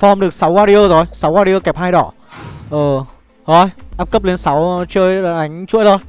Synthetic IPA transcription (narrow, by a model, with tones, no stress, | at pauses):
fɔ˧mɗɨ˨˩ək̚sa˨˦wvaː˧ɾi˧əː˧zo˨˩jsa˨˦wvaː˧ɾi˧ʔəː˧kɛ˨˩p̚haː˧jɗɔ˧˩ | ʔəː˨˩ | hɔ˧˩jʔaː˧˥p̚kə˦˥p̚le˨˦nsa˨˦wt͡ɕəː˧jlːɗa˨˦jŋ̟t͡ɕṵ˧˥əjt̪ʰo˧˩j